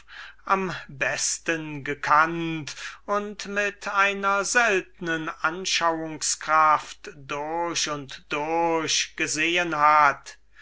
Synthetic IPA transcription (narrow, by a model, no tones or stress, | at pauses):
ʔambɛstənɡəkʰantʊntmɪtaɪnɐzɛltənənʔanʃawʊŋskʁ̥aftd̥ʊɐɕʊntd̥ʊɐɕɡ̥əzeːənhat